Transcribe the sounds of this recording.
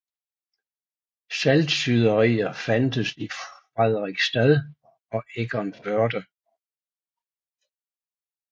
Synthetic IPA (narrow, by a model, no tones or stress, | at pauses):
sæld̥syð̞ˠɐʁḭːɐfænd̥əsiʁɛð̞ˠʁiɡ̥sd̥æðˠ | ɒ̽ʔeɡ̥ɒnb̥ɶɐd̥ə